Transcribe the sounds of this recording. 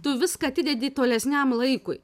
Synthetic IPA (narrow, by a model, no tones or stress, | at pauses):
t̪ʊʋʲɪskɐːɐt̪ʲɪd̪ʲɛd̪ʲiːt̪oːlʲɛsʲnʲæmlˠɐɪkʊɪ